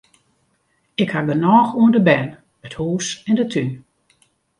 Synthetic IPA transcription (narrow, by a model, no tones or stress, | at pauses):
ɪkhaɡənɔːxuəndəbɛn | əthuːsɛndətʰyn